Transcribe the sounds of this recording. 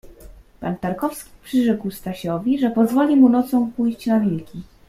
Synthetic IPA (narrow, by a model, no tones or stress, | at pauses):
pa̰nt̪aɾkɔfskʲi̥pʂɘʐɛkwst̪aɕɔvʲiʐɛpɔzvɔlʲimunɔt̪sɔ̃w̃pujɕt͡ɕnavʲilkʲi